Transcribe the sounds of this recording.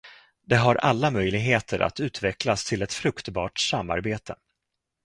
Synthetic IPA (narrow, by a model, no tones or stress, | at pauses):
d̪ɛɦaɾʔalːamœjlɪɡɦeːt̪ʰəɾʔa̰t̪ʉ̟ːt̪vɛklast̪ʰɪlɛt̪fɾɵkt̪bɑːʈsamːa̰ɾbeːt̪ʰə